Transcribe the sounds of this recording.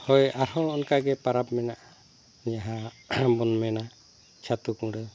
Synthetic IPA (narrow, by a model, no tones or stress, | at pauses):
hɔjaɾhɔːnkaɡɛpaɾapmɛnaʔ | niaɦabɔnmɛna | t͡ʃʰat̪ukũɽɛ